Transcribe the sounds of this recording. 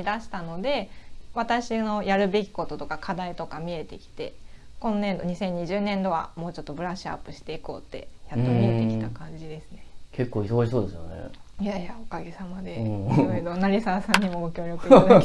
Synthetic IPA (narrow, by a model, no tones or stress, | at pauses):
id̪aɕi̥t̪ano̞d̪e̞βat̪aɕino̞jaɾɯ̟be̞kʲi̥ko̞t̪o̞t̪o̞kakʰad̪ait̪o̞kamʲie̞t̪e̞kʲi̥t̪e̞kõ̞nːẽ̞nd̪o̞ɲ̟isẽ̞ɲ̟ːiʑɨːnẽ̞nd̪o̞βa̰moːt͡ɕo̞t̪ːo̞bɯ̟ɾaɕɨa̰pːɯ̟ɕi̥t̪e̞iko̞̰ːt̪ːe̞̰jatt̪ːomʲiet̪e̞ki̥t̪akãɲ̟d͡ʑid̪e̞sɨne̞kʰe̞kːoːisoɡaɕisoːd̪e̞sɨjo̰nḛjajaokaɡe̞samad̪ẽ̞oid̪o̞naɾʲisasãɲ̟ːimo̞mokʲo̞ːɾʲjo̞kɯ